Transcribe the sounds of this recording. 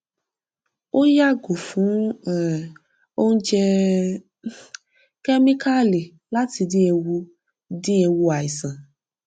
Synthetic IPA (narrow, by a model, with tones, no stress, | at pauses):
o˦ja˦ɡo˨fũ˨˦˨ | o˦ŋ̩˦d͡ʒɛ˧ | kɛ˦mĩ˦ka˦li˨ | la˦ti˧di˦e˧wu˧ | di˦e˧wu˧a˨i˨sã˨